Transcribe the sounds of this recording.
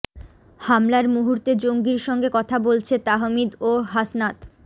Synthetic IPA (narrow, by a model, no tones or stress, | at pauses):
hamlaɾmuɦuɾt̪ed͡ʑoŋɡiɾʃɔŋɡekɔt̪ʰabolt͡ɕʰet̪aɦomid̪oɦasnat̪